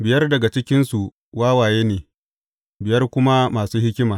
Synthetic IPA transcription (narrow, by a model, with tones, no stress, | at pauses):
bɪ˨jɐ˦rdɐ˨ɡa˨t͡ʃɪ˦kʲɪ˦nsu˨ | waː˦waː˨jeː˦neː˨ | bɪ˨jɐ˦rkʷʊ˦ma˦maː˨suː˦hɪ˦kʲɪ˦maː˨